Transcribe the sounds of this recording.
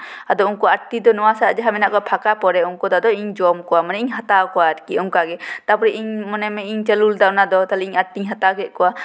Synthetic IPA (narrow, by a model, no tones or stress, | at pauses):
ad̪ɔuŋkɔaɾt̪id̪ɔnɔwasad͡ʒɛɦamɛnaʔkɔpʰakapɔɾɛuŋkɔd̪ɔd̪ɔiɲd͡ʒɔmkɔwamanɛiɲɦat̪akɔwaɾkiuŋkaɡɛt̪apɔɾɛʔiɲmɔnɛmɛiɲt͡ʃəluld̪anad̪ɔt̪alɛiɲaɾt̪iɲɦat̪akɛʔ̪̚kɔwa